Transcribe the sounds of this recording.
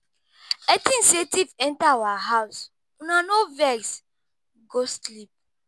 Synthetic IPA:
ɛtĩnsetivɛ̃ntawaɦaws | ũnanovɛɾs | ɡoslip̚

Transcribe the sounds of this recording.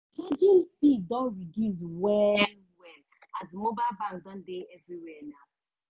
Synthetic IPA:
t͡ʃad͡ʒĩntidɔ̃nɹiɡizwɛl | wɛl | azmobaɪlbãŋkdɔ̃ndeɛvɹiwɛna

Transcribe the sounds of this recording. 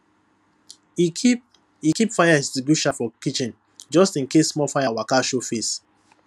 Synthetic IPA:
ikipfajaɛstibuʃãfɔkit͡ʃĩn | d͡ʒɔstĩnkesmɔlfaɪawakaʃofes

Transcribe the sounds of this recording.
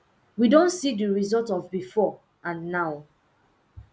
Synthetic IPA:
widõntsidəɹizɔltɔvbifɔ | ʔãnːaʊ

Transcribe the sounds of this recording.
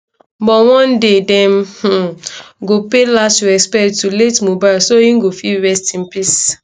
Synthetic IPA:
bɔwɔ̃ndedɛ̃mh̩ɡopelastɛspɛktuletmubalsoĩŋ̩ɡofiɹɛstĩnpis

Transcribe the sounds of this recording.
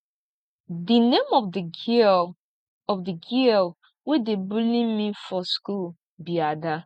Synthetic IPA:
dinemɔd | ɔvdiɡil | wedebulĩnmifɔskul | biada

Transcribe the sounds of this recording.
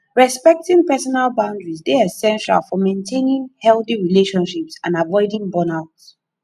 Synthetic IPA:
ɹɛspɛk̚tĩŋpɛsɔnalˠbãʊ̃ndɹizdeɛsɛ̃nʃa̰lˠfɔmẽntʰẽnĩŋhɛlˠθiɹileʃɔ̃nʃipsã̰navɔɪdĩŋbɔnaʊts

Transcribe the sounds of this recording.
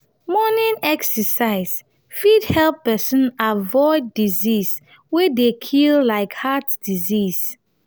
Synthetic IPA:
mɔnĩnɛksəsaɪs | fidhɛlpːɛsə̃navɔɪdːizis | wɛdekʰillaɪkhatd̥izis

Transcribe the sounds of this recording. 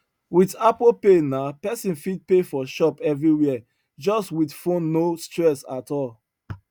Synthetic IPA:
wiθapopenaʊpɛsĩnfid̚pefɔʃɔpɛvɹiwɛə | d͡ʒɔstwiθfõnːostɹɛsatɔlˠ

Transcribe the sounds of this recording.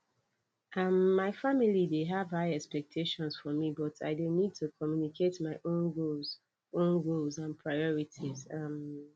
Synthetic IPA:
ʔʌmːaɪfamilideɦavhaɪɛkspɛk̚tʰeʃɔ̃nz̥fɔmibɔtʰa̰ɪdonid̚tʰukʰɔmjunikʰetmaɪʔõnɡoz | ʔõnɡolzãnpʰɹaɪɔɹitʰizam

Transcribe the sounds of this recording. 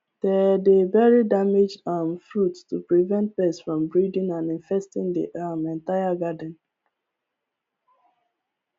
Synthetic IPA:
d̥ɛdevɛɹidamed͡ʒamfɹutstupɹivɛ̃nt̚pɛsfɹɔ̃mbɹidĩŋãnĩnfɛstĩŋdḭʔamɛ̃ntaɪaɡadə̃n̩

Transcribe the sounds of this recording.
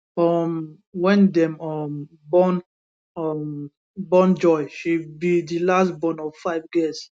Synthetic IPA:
ɔm | wɛ̃ndɛ̃mɔm | bɔn | ɔm | bɔ̃nd͡ʒɔɪʃibidilastbɔ̃nɔv̥faɪvɡis

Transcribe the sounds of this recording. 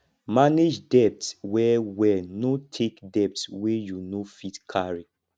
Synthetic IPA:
maned͡ʒdɛp̚tswɛwɛnotʰekdɛp̚tswejunofitkʰaɹi

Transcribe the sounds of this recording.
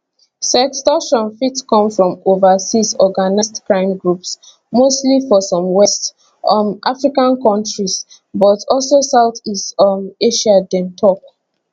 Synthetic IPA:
sɛkstɔʃɔ̃nfitkɔ̃mfɹɔ̃movasisɔɡanistkɹãɪ̃mɡɹups | mostlifɔsɔ̃mwɛst | ɔmʔafɹikãnkɔ̃ntɹis | bɔtʰɔlsosawθistɔmeʃadɛ̃ntʰɔk̚

